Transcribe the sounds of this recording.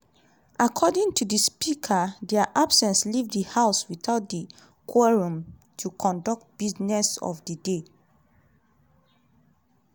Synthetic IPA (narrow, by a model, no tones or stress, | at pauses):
akʰɔdĩŋtudispikʰadɛaʔabsɛ̃nslivdihaʊswitaʊt̚di | kʰɔɹũmtʰukʰɔ̃ndɔk̚t̚b̥iznɛsɔ̰fdide